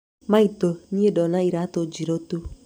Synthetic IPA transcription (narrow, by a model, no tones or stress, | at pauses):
maitoɲiedɔnaiɾatod͡ʒiɾotu